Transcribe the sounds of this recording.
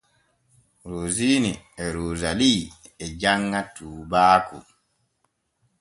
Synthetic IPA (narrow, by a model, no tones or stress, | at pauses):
ɾoːziːni | ɛɾoːzaliɛd͡ʒaŋːatuːbaːkṵ